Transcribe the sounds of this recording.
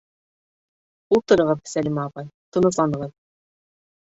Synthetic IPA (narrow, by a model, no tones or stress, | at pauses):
ulˠt̪ŏɾɤ̆ʁɤp̚sælʲimɑːpɑjt̪ŏnɤ̆slˠɑnɤ̆ʁɤð